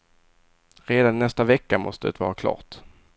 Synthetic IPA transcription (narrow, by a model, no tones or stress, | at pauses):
ɾeːd̪anːɛst̪avɛkːamɔst̪əɛ̰t̪ʰvɑ̰ːɾakʰlɑ̰ːt̪